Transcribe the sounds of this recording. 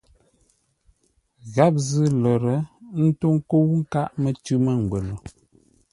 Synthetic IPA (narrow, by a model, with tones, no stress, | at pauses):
ɣa˦p̚zɨ˦lə˨ɾə˨˦n̩˦to˦ŋ˦ko˦wŋ̩˦ka˦ʔmə˦˨tʉ˦mə˦ŋ̩˨ɡwe˨lo˨